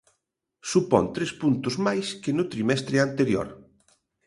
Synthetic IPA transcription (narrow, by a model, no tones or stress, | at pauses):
supɔ̰nt̪ɾespunt̪ʊzmajskɪnʊt̪ɾimɛst̪ɾɪant̪eɾjo̰ɾ